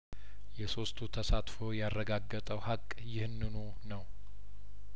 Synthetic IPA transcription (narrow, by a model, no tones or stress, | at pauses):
jɛso̞st̪ʰut̪ʰəsat̪fo̞jarːəɡaɡːət̪ʼəwhakʼjɪhɨnːɨno̞ | nəw